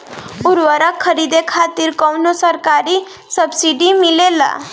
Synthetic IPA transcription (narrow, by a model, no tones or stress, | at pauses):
ʊɾʋəɾakʰːəɾid̪ekʰat̪iɾkɔwnosəɾkaɾi | səbsiɖimɪlela̰